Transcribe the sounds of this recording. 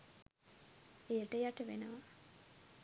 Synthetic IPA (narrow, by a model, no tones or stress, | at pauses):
ejəʈəjaʈəʋḛnəʋa